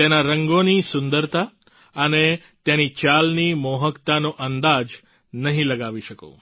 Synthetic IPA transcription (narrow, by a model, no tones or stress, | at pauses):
t̪enaɾəŋɡonisʊ̃nd̪əɾt̪ʰa | əne | t̪jenit͡ʃalnimoɦəkt̪anoʔənd̪ad͡ʒ | nəɦĩləɡaʋiʃəko̰